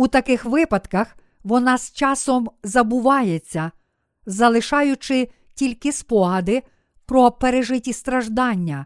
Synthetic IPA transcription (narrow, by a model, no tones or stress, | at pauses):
ut̪ɐkɪxʋɪpɐd̪kɐx | ʋɔnɑst͡ʃɑsɔmzɐbʊʋɑjet͡sʲːɐ | zɐlˠɪʃɑjʊt͡ʃɪ | tʲilʲkɪspɔɦɐd̪ɪ | pɾɔpeɾeʒɪtʲist̪ɾɐʒd̪ɑnʲːɐ